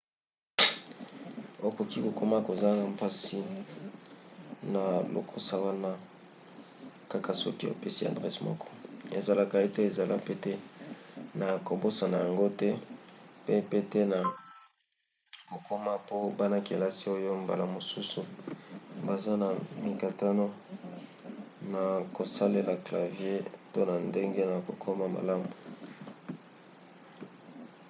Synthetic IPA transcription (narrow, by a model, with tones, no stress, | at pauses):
o˦ko˨ki˦ko˨ko˦ma˦ko˨za˦na˨m˨pa˦si˦ | na˨lo̰˨kʰo˦sa˨wa˦na˦ | ka˦ka˨so̰˦ki˦o̰˨pɛ˦si˦a̰˨dʁɛ˦smɔ̰˦kʰɔ̥˦e˨za˨la˦ka˨e˦te˦e˨za˨la̰˦pe˦tɛ˦ | na˨ko˨bo˦sa˨na˨ja˨ŋɡo˦tɛ˦pe˦pe˦te˦na˨ | ko˨kʰo˦ma˦po˦ba˦na˦ke˨la˦si˦o˦jo˦mba̰˨la˨mo˨su˦su˨ | ba˨za˦na˨mi˨ka˨ta˦no˦ | na˨ko˨sa˦le˨la˨kla˨vje˦to˦na˨nde˦ŋɡe˦na˨ko˨kʰɔ˦ma˦ma̰˨la˦mu˨